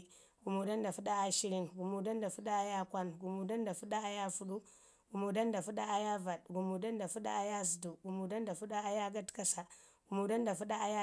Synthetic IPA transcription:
ɡu˨mu˨da˦nda˨fu˦ɗa˦a˦ʃi˦ɾi˦nɡu˨mu˨da˦nda˨fu˦ɗa˦a˦ja˦kʷa˦nɡu˨mu˨da˦nda˨fu˦ɗa˦a˦ja˦fu˦ɗu˦ | ɡ̥u˨mu˨da˦nda˨fu˦ɗa˦a˦ja˦va˨dɡu˨mu˨da˦nda˨fu˦ɗa̰˦a˦ja˦zdu˨ɡu˨mu˨da˦nda˨fu˦ɗa˦a˦ja˦ɡa˦tka˦sa˨ | ɡ̥u˨mu˨da˦nda˨fu˦ɗa˦a˦ja˦

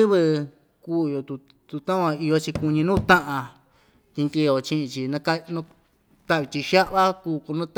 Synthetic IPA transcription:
ɨ˦βɨ˧ | kuː˦˨jo˧t̪u˧ | t̪u˧t̪ã˦˧ã˧i˧jo˧t͡ʃi˧ku˧ɲĩ˧nũː˦˧t̪ã˦ʔã˧ | t̪ĩ˧ŋki˧˨o˨t͡ʃĩ˧ʔĩ˧t͡ʃi˧nã˧ka˦nũ˧ | t̪a˦ʔβi˧t̪i˧ʃa˦ʔβa˦kuː˧˨ko˧nũ˦˧t̪

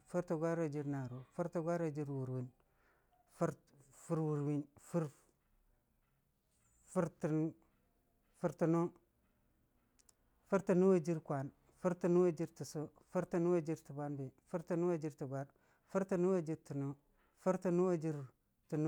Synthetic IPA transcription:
fu˦ɾtu˨ɡʷa˦ɾo˦˨d͡ʒi˦ɾna˨ɾo˨fu˦ɾtu˨ɡʷa˦ɾo˦˨d͡ʒi˦ɾwu˨ɾwi˦n | fu˦ɾ | fu˦ɾwu˨ɾwi˦nfu˦ɾ | fu˦ɾti˨n˦ | fu˦ɾtu˨no˦ | fu˦ɾti˨nu˦wo˦d͡ʒi˦ɾkʷa˨n | fu˦ɾtu˨nu˦wa˦d͡ʒi˦ɾti˨so˦ | fu˦ɾtu˨nu˦wa˦d͡ʒi˦ɾti˨ba˦nbe˨fu˦ɾti˨nu˦wa˦d͡ʒi˦ɾti˨ɡʷa˦ɾ | fu˦ɾti˨nu˦wa˦d͡ʒi˦ɾti˨no˦ | fu˦ɾti˨nu˦wa˦d͡ʒi˦ɾ | tu˨n˦

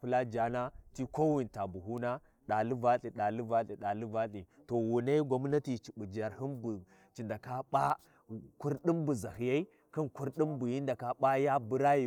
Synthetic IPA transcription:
pu˦la˦d͡ʒa˨na˦ti˦ko˦wi˨nta˨bu˨ɦu˦na˦ | ɗa˨li˦va˦ɬʼi˨ɗa˨li˦va˦ɬi˨ɗa˨li˦va˦ɬʼi˨ | to˨wu˨na˦ɡʷa˦m˦na˦ti˨t͡ʃi˨ɓu˨d͡ʒa˨ɾhi˦nbu˨ | t͡ʃi˨nda˨ka˦ɓa˦ | ku˦ɾɗi˦mbu˨za˨hi˨ja˦i˦ | ka˦nku˦ɾɗi˦mbu˨ji˦nda˨ka˦ɓa˦ja˦bu˦ɾa˦ji˨

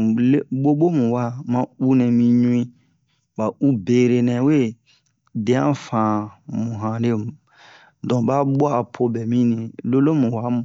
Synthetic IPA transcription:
lɓo˦ɓo˦mũ˨wa˦mã˦u˦nɛ̃˨mĩ˧ɲũ˦ĩ˦ | ba˨u˦be˨ɾe˨nɛ̃˨we˦˨ | dɛ̃˨˦ã̰˦fãː˨mũ˨ɦã˨le˦˨m˨ | dɔ̃˨ba˦ɓo˦a˦˨pʰo˧bɛ˨mĩ˦nĩ˨lo˦lo˦mũ˨wa˨˦m˨

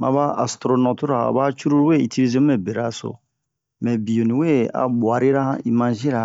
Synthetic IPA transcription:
mã̰˨ba˦a˨stɾo˨no˨tu˦ɾa˨a̰˨ba˦t͡ʃu˦ɾu˦ɾwe˦i˨ti˦li˦ze˦mɛ˨be˨ɾa˦so̰˨ | mɛ˨bi˨jo˨nĩ˨we˦a̰˨bwa˨ɾi˦ɾa˦i˨mã˨ʒĩ˦ɾa˨

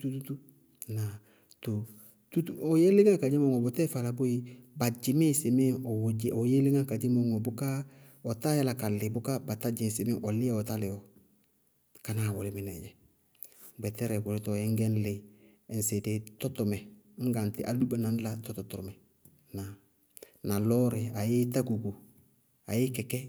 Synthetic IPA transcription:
tu˦tu˦tu˦ | na˨ | to˨ | tu˦tu˦ɔ˨je˦lɪ˦ŋa˦ka˨d͡ʒi˦mo˦ŋo˨bo˨tɛ˦fa˨la˨bu˦ji˦ba˨d͡ʒɪ˨˦mi˦se˨me˦ɔ˨wo˨je˦li˦ŋa˦ka˨d͡ʒi˦mo˦ŋo˨bʊ˦ka˦ | ɔ˨ta˦ja˦la˨ka˨lɪ˨bʊ˦ka˦ba˨ta˦d͡ʒi˨si˨me˦ʔɔ˨lɪ˦a˦o˨ta˦lɪ˨o˨ | ka˨na˨wo˨lɪ˨˦mɪ˨nɛ˨ɟɛ˨ | bɛ˨tɛ˦ɾɛ˨ɡʊ˨le˦tɔ˨jɛ˦ŋɡɛ˦n˦lɪ˨ | nse˨de˨tɔ˦to˨mɛ˨˦ | ŋ̩˦ɡa˨ntɪ˦ʔa˨lu˦ba˨na˨n˦la˨tɔ˦tɔ˨tu˨ɾmɛ˨ | na˨ | na˨lɔ˦ɾɪ˨a˨jɪ˦ta˦ɡu˨ɡu˨ | a̰˨jɪ˦kɛ˨kɛ˦

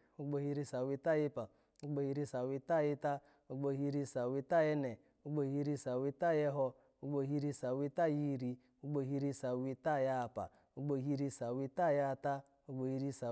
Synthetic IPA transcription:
u˦ɡ͡bo˧hi˧˦ɾi˧˦sa˨wi˦ta˦˨ji˦pa˨ | u˦ɡ͡bo˧˦hi˧˦ɾi˦sa˨wi˦ta˦˨ji˦ta˦ | u˦ɡ͡bo˧hi˧ɾi˧sa˨wi˧ta˦˨jɛ˦nɛ˨ | u˦ɡ͡bo˧˨hi˧˦ɾi˧sa˨wi˦ta˦˨jɛ˦ɦo˧ | u˦ɡ͡bo˧ɦi˧˦ɾi˧sa˨wi˦ta˦˨ji˦˨ɾi˧ | u˦ɡ͡bo˧˨ɦi˧˦ɾi˧sa˨wi˦ta˦˨ja˦˨pa̰˨ | u˦ɡ͡bo˧ɦi˦ɾi˧sa˨wi˦ta˦˨ja˦˨ta˦ | u˦ɡ͡bo˧ji˧ɾi˧sa˨

